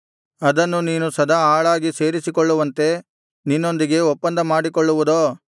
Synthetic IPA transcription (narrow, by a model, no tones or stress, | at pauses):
ɐd̪ɐnːuniːnusɐd̪ʱɐaːɭaːɡise̞ːɾisikɔɭːuʋɐnt̪e̞ | ninːo̞nd̪iɡe̞ɔpːɐnd̪ɐmaːɽikɔɭːuʋud̪oː